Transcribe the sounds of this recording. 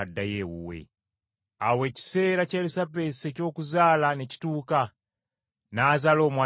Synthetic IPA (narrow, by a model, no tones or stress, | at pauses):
adːajewṵwḛ | awe̞ːci̥se̞ːɾacalusabe̞seco̞ːkuzaːlaneci̥tuːka | naːzalo̞ːmwa